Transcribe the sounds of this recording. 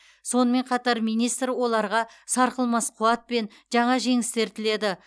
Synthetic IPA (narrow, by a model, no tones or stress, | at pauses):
so̞nəme̞ɴqʰɑt̪ɑɾmijnijst̪ɾwo̞lˠɑɾʁɑsɑɾqəlˠmɑsqʰuɑt̪̚pe̞n | ʒɑɴɑʒe̞ŋɪst̪e̞ɾt̪ʰɪle̞d̪ɪ